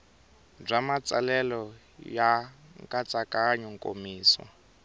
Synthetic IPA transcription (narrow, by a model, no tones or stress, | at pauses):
b͡ʐamat͡sʼalɛlɔ | jaŋkʼat͡sʼakʼaɲuŋkʼo̰miːswa̰